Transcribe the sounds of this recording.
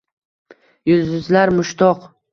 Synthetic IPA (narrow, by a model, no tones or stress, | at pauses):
jʊlzɪzlaɾmʊʃt̪ʰɒq